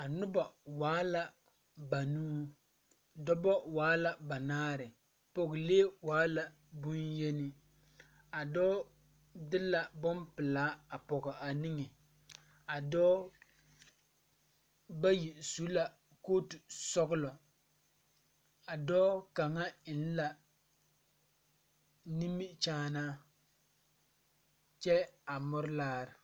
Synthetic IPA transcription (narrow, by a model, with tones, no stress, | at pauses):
a˨nʊ˦ba˨waː˦la˦ | ba˨nuː˦ | dɔ˦bɔ˦waː˨˦la˦ba˨naː˦ɾɪ˨ | pɔ˨ɣɪ˨le˦waː˦la˨ | bʊ˦njɛ˦nɪ˦ | a˨dɔː˦ | dɪ˦la˨bʊ˦mpɨ˨laː˦a˨pɔ˨ɡa˨a˨nɪ˦ŋɛ˨ | a˨dɔː˦ | ba˦ji˨su˦la˨ | koː˦tu˨sɔ˦ɣʊ˦lɔ˨ | a˨dɔː˦ka˨ŋa˦ɪ˨n̩˦la˨ | ni˦mi˦t͡ʃaː˦naː˦ | t͡ʃɛ˦a˨mʊ˦ɾlaː˦ɾɪ˨